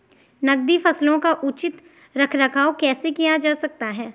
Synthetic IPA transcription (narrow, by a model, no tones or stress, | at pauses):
nɐɡ̚d̪ifɐslõkaʔʊt͡ʃɪt̪ | ɾɐkʰɾɐkʰaːokɛːsekijad͡ʒaːsɐk̚t̪aɦɛː